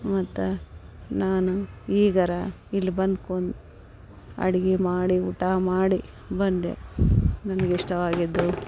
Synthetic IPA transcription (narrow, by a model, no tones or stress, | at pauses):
mɐt̪ːu | naːnuiːɡɐɾɐ | ilːibɐnd̪koɳd̪ | ɐ̰ɽiɡemaːɽiuʈaːmaːɽi | bɐnd̪ḛnɐnɐɡeiʂʈɐʋaːɡid̪ːu